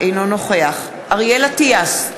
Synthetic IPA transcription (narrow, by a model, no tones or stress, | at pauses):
ejnonoχeaχ | aʁjelatias